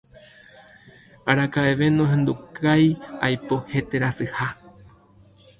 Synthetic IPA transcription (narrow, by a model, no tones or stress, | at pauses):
aɾakaʔeʋe̞nõɦẽ̞nd̪ukaja̰jpo̞he̞t̪e̞ɾasɨha